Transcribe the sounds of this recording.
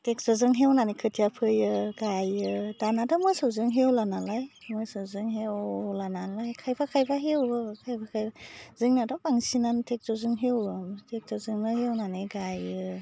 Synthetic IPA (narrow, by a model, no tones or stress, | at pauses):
tek̚sɔzɯŋɦewnanekʰɯtʰijapʰɯjɯɡajɯdanadamɯsɯwzɯŋɦewlanalajmɯsɯwzɯŋɦewɔlanalajkʰajbʰakʰajbʰaɦewɯkʰajbʰakʰajazɯŋnadɔpaŋsinantek̚zɔzɯŋɦewɯtek̚tɔzɯŋnɯɦewnaneɡajɯ